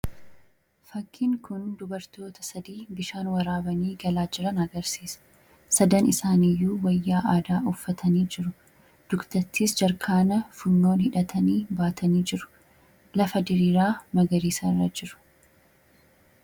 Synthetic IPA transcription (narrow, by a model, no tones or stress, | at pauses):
fɐkːɪŋkʊnd̪ʊbɐɾt̪o̞ːt̪ɐ̥sɐd̪iːbɪʃaːnwɐɾaːbɐniːɡɐlaːd͡ʒɪɾɐnɐɡɐɾsiːsɐ̥ | sɐd̪ɐnɪsaːnijːuːwɐjːaːʔaːd̪aːʔʊfːɐt̪ʰɐniːd͡ʒɪɾʊ | d̪̥ʊkt̪ɐt̪ʰːiːsd͡ʒɐɾkʰaːnɐfʊnːo̞ːnhɪᶑɐt̪ʰɐniːbaːt̪ʰɐniːd͡ʒɪɾʊ̥ | lɐfɐd̪ɪɾiːɾaːmɐɡɐɾiːsɐrːɐd͡ʒɪɾʊ̥